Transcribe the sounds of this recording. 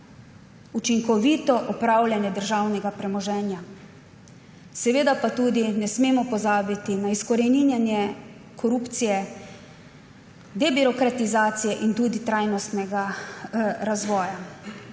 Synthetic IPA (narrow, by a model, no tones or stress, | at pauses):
ut͡ʃiŋkɔʋiːt̪ɔʔɔpɾawljanjɛd̪əɾʒawnɛɡapɾɛmɔʒɛːnja | sɛʋeːd̪apat̪uːd̪inɛsmeːmɔpɔzaːbit̪inaiskɔɾɛninjanjɛ | kʰɔɾuːpt̪sijɛ | d̪ɛbiɾɔkɾat̪izaːt̪sijɛʔint̪uːd̪it̪ɾajnɔst̪nɛɡa | ɾazʋɔːja